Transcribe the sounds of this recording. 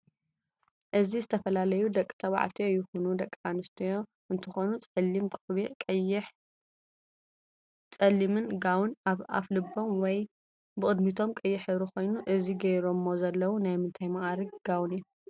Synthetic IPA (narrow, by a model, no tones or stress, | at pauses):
ʔɨzizɨt̪ʰɐfɐlalɐjud̪ɐkʼːi̥t̪ʰɐβa̰ʕt̪ʰijojːɪxunud̪ɐkʼːanɨst̪ʰɐjo̞ | ʔɨnt̪ʰɨxo̞nut͡sʼɐlːimkʼɨβeħ | t͡sʼɐlːimɨnɡawnaa̰flɨbːo̞mwɔj | bɨχʼɨd̪mit̪ʰo̞mkʼɨjːɪħɨβɾuko̞jnuʔɨziɡɐjɾomːozɐlːɐwunajmɨnt̪ʰajmɐʔaɾiɡɡ̥awniju